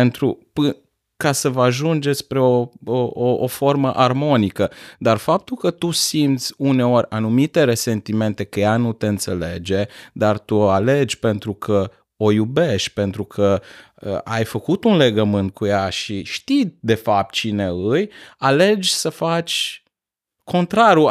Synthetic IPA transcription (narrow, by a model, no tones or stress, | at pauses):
ent̪ɾupɨ | kasəvaʒund͡ʒespɾe̞o̞ooʔofo̞rməʔarmo̞nikəd̪arfap̚t̪ulkət̪usimt̪sʲune̞o̞rʲanumit̪e̞ɾe̞se̞nt̪ime̞nt̪e̞kəjanut̪e̞ɨnt̪se̞le̞d͡ʒe̞d̪art̪uale̞d͡ʒʲpe̞nt̪ɾukʰə | o̞jube̞ʃt̪̚ʲpe̞nt̪ɾukʰə | ə̰ʔa̰jfəkut̪unle̞ɡəmɨnt̪̚kʰujaʃiʃt̪id̪e̞fap̚t̪̚t͡ʃine̞ɨjale̞d͡ʒʲsəfat͡ʃʲ | kʰo̞nt̪ɾaɾju